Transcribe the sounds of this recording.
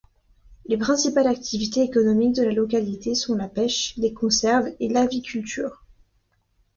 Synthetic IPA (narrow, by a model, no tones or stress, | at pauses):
lepχɛ̃sipalak̚t̪ʰivit̪eːkɔnɔmik̚d̪əlalɔkalit̪esɔ̃lapɛʃlekɔ̃sɛʁvelavikʲʰylt̪yːʁ